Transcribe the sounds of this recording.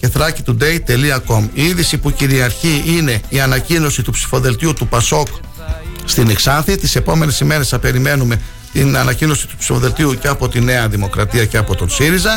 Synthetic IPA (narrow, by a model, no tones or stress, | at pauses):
ce̞θɾɐcit̪ud̪e̞jt̪e̞liɐko̞miiðisipuciɾiɐɾçiʔine̞iɐnɐcino̞sit̪upsi̥fo̞ðe̞lt̪iut̪upɐso̞k | st̪ineksɐnθit̪ise̞po̞me̞ne̞sime̞ɾe̞sɐpe̞ɾime̞nume̞ | t̪inɐnɐcino̞si̥t̪u̥psi̥fo̞ðe̞lt̪iuceɐpo̞t̪ine̞ɐðimo̞kɾɐt̪iɐceɐpo̞t̪o̞nsiɾizɐ